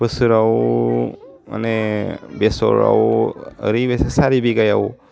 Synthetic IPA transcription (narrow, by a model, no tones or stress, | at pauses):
bɯsɯɾaw | ma̰nebesɔ̰ɾa̰wɾibesasaɾibiɡajaw